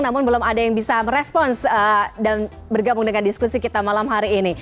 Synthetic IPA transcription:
namʊnbəlʊmadajaŋbisaməɾɛspɔnsədan | bərɡabʊŋdəŋandiskusikit̪amalamɦaɾiːni

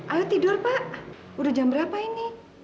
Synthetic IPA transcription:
ʔalut̪idʊrpaʔ | uɾud͡ʒambəɾapaini

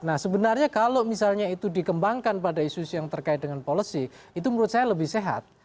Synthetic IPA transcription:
nahsəbənarɲakalomisalɲait̪udikəmbaŋkanpadaisusijaŋt̪ərkaɪt̪̚dəŋanpolisi | it̪̬uməɾut̪̚sajaləbɪhseɦa̰t̪̚

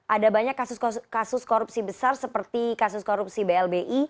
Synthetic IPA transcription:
ʔadabaɲakːasʊskkasʊskoɾupsibəsarsəpərt̪ikasʊskoɾup̚sibeɛlbeʔi

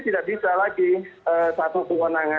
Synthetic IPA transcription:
t̪idaʔ̚bisalaɡiəsat̪ukuwənaŋa

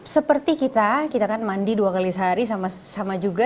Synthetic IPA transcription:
səpərt̪ikit̪akit̪akanmandiduakalisəɦaɾisamasamad͡ʒuɡa

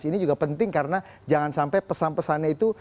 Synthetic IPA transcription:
sinid͡ʒuɡapənt̪ɪŋkaɾəna | d͡ʒaŋansampajpəsanpəsanɲait̪u

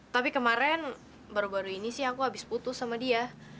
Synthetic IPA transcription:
t̪apikəmaɾɛn | baɾubaɾuinisɪhakuɦabɪsput̪ʊsːamadia

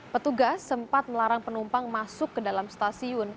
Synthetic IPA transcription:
pət̪uɡasːəmpat̪̚məlaɾaŋpənumpaŋmasʊkːədalamst̪asiʊn

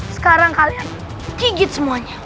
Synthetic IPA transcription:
sə̥kaɾaŋhalja | t̪iɡismuaɲa

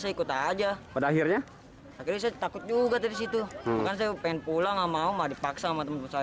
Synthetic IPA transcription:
sajaikut̪ad͡ʒapadaːɦirɲa | akirɲas̬ajɛt̪akʊt̪̚d͡ʒuɡat̪adisit̪umakans̬ajapeŋɛnpulaŋamaumadipaksaamaŋt̪əmant̪mansa

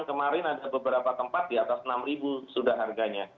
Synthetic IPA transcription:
ŋkəmaɾɪnadabəbəɾapat̪əmpat̪̚diat̪asənamribusudahɦarɡaɲa

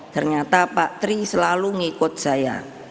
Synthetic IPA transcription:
t̪ərɲat̪apat̪ɾisəlaluŋikʊt̪̚saja̰

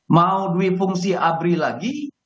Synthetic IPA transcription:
mauduifuŋsiʔabɾilaɡi

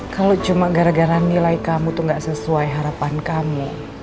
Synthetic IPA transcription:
kalot͡ʃumaɡaɾaɡaɾanːilaikamut̪uŋɡaʔsəsuajɦaɾapankamṵ

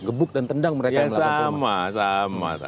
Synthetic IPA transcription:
ɡəbʊk̚dant̪əndaŋməɾejkaəsamasama̰t̪a

